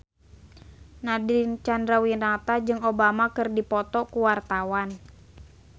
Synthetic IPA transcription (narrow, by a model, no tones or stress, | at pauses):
nadint͡ʃandɾawinat̪ad͡ʒɨŋobamakɨrdipɔt̪ɔkuwart̪awan